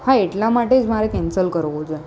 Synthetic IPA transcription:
haeʈlamaʈed͡ʒmaɾekɛ̃nsəlkəɾʋot͡ʃʰe

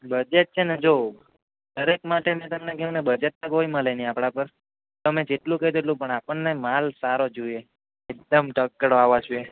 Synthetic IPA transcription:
bəd͡ʒet̪̚t͡ʃʰened͡ʒo | d̪əɾekmaʈenet̪əmnekeũnebəd͡ʒet̪̚akoimãleniapɽapəɾ | t̪oəmed͡ʒeʈlũked̪eʈlũpəɳapəɳnemalsaɾod͡ʒoie | ek̚d̪əmʈəkːɽoaʋad͡ʒue

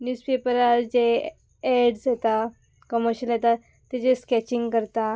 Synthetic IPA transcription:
njuːspepəɾaɾd͡ʑe | ɛɽsjet̪a | kəməɾɕəljet̪a | t̪ːɛt͡ɕeskɛt͡ɕiŋɡkəɾt̪a

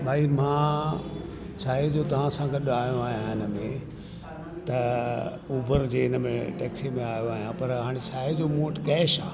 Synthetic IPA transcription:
bʱaːimãː | t͡ɕʰaːɦed͡ʑoːt̪ɐʋ̤ãsãɡeɗaːjõaːɦijãɪnəmẽ | t̪ɐ | uːbʱəɾd͡ʑeːɪnəmẽʈɛːksimẽaːjoaːɦijãpɐɾɦaːɽ̃et͡ɕʰaːɦed͡ʑoːmoːʈkɛːʃa̰ː

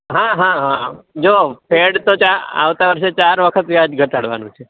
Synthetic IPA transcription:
ɦãɦãɦãd͡ʒopʰeɽt̪ot͡ʃaɾa̰ʋt̪aʋəɾʃet͡ʃaɾʋəkʰət̪ʋjad͡ʒɡʱəʈ̪aɽʋa̰nũt͡ʃʰe

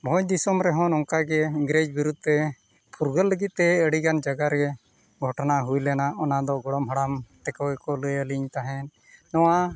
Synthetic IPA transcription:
bʱɔɲd̪isɔmɾɛɦɔ̃nɔŋkaɡɛiɡɾed͡ʒbiɾud̪̚t̪ɛ | pʰuɾɡəlːəɡit̪̚t̪ɛəɽiɡand͡ʒaɡaɾɛ | ɡʱɔʈnaɦujlɛnaʔɔnad̪ɔɡɔɽɔmɦəɽamt̪ɛkɔwɛkɔləjəliɲt̪aɦɛnː | ɔwa

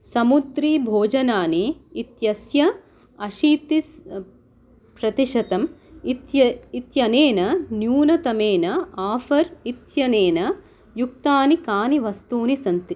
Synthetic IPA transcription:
sɐmud̪ɾiːbʱoːd͡ʒɐnaːniːt̪jɐsjɐ | ɐʃiːt̪is | pɾɐt̪iʂɐt̪ɐmit̪jɐit̪jɐneːnɐnjuːnɐt̪ɐmeːnɐaːfɐɾit̪jɐneːnɐ | juk̚t̪aːnikaːniʋɐst̪uːnisɐnt̪i

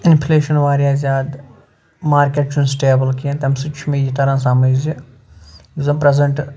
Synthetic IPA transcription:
ɪnpʰleːʃɐnʋaːɾijaːzʲjaːd̪ | maːɾkeʈt͡ʃʰunsʈeːbɐlkiɐ̃nt̪ɐmsit͡ʃʰumẽjit̪ɐɾãːsaːmɐd͡ʒzi | zɐmpɾezɐɳʈ

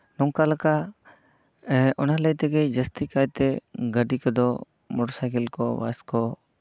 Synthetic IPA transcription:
nɔŋkalaka | ɔnaləjt̪ɛɡəjd͡ʒəst̪ikajt̪ɛɡəɖikɔd̪ɔ | mɔɽsajkilkɔwa̰skɔ

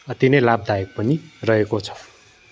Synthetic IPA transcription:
ʌt̪inʌjlab̚d̪ʱajʌk̚pʌnirʌɦekot͡sʰʌ̥

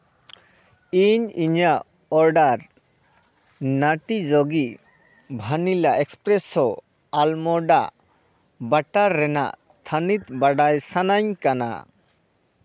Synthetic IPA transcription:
iɲiɲa | ɔɾɖaɾ | naʈid͡ʒoɡi | bʱanilaʔɛkspɾɛsɔ | almɔɖaʔ | baʈaɾːɛna̰ʔst̪ʰanit̪baɽajsanaɲkana̰

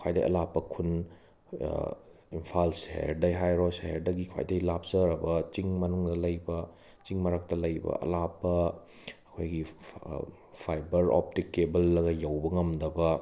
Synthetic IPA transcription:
kʰwajdɐ̰jʔɐ̰lapːɐkʰun | impʰalseḛɾdɐjɦajɾoseeɾdɐɡikʰwa̰jdɐjlap̚zɐɾɐbɐt͡ʃiŋmɐnuŋdɐlɐjbɐ | t͡ʃiŋmɐɾɐk̚tɐlɐjbɐ̰ʔɐ̰lapːɐ | ɐkʰojɡi | pʰajbɐɾo̰p̚tikːebɐlːɐɡɐjɐwbɐŋɐmdɐbɐ

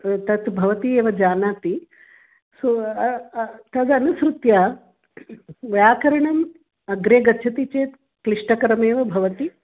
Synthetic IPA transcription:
t̪ɐt̪bʱɐʋɐt̪ieːʋɐd͡ʒaːnaːt̪i | so | t̪ɐd̪ɐnusɾut̪ja | ʋjaːkɐɾɐɳɐm | ɐɡɾeːɡɐtːʃʰɐt̪it͡ʃeːt̪ | kɾiʂʈɐkɐɾɐmeːʋɐbʱɐʋɐt̪i

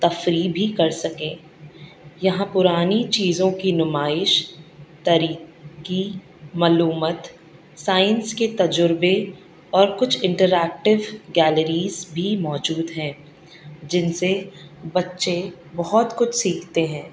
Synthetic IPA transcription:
t̪ɐfɾibʱikɐɾsɐkẽː | jɐɦãpʊɾaːnit͡ʃiːzõkinʊmaːɪʃt̪ɐɾiːki | mɐːluːmət̪ | saːɪɪnsket̪ɐd͡ʒʊɾbe | ɔːɾkʊt͡ʃʰɪ̃ɳʈəɾɛːk̚ʈɪʋɡɛːləɾiːzbʱimɔːd͡ʒuːd̪ɦɛ̃ː | d͡ʒɪnsebɐtːʃe | bɐɦɔt̪kʊt͡ʃʰsiːkʰt̪eɦɛ̃ː

